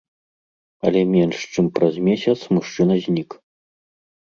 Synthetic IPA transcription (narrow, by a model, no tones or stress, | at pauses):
ɐlʲɛmʲɛnʂt͡ʂɨmpɾɐzmʲesʲɐt̪smuʂt͡ʂɨnɐzʲnʲik